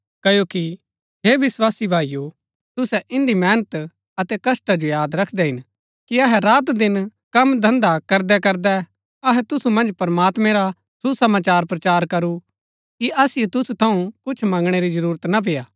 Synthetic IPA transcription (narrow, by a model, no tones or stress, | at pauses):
kɐjoːki | ɦeːʋɪswaːsibʱaːijo | t̪ʊsɛʔɪ̃nd̪imɛːnət̪ | ɐt̪ɛkɐsʈad͡ʒojaːd̪ɾɐkʰd̪ɛɦɪn | kiɐɦɛɾaːt̪d̪ɪnkɐmd̪ʱɐ̃nd̪akɐɾd̪ɛkɐɾd̪ɛ | ɐɦɛt̪ʊsumɐ̃nd͡ʒpɐɾmaːt̪mɛ̃ɾa | susɐmaːt͡ʃaːɾpɾɐt͡ʃaːɾkɐɾu | kiʔɐsɪjet̪ʊsut̪ʰɐũkʊt͡ʃʰmɐ̃ŋɡɽ̃eɾid͡ʒɐɾuːɾət̪nap̬ejaː